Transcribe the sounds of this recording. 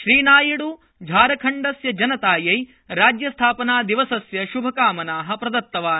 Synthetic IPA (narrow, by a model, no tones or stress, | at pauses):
ʃɾiːnaːjiɽu | d͡ʒʱaːɾɐkʰɐɳɖɐsjɐd͡ʒɐnɐt̪aːjɐj | ɾaːd͡ʒjɐst̪ʰaːpɐnaːd̪iʋɐsɐsjɐʃubʱɐkaːmɐnaːɦɐ̆pɾɐd̪ɐt̪ːɐʋaːn